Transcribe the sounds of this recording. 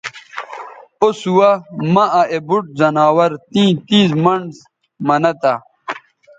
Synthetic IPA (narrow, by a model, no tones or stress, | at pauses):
osuwɐmɐɐebuʈ̚zɐnaːwɐɾt̪ĩːt̪iːzmɐɳɖs | mɐnɐt̪a